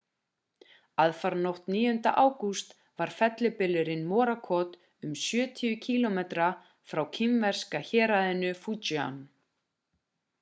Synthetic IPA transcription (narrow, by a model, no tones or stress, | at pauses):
aðfaɾnowht̪niːjʏnt̪a̰ʔaːwkust̪ | vaɾ̥fɛt̪lɪpɪlːɪɾɪnmɔːɾakʰɔt̪ | ʏmsjœːt̪ʰiʏcʰiːlɔmet̪ɾa | fɾawcʰɪmvɛr̥skaçɛːɾaðɪnʏfut͡ʃia̰n